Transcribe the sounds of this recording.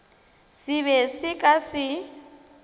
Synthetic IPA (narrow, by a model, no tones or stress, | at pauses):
sɪβɛsɪkʼasɪ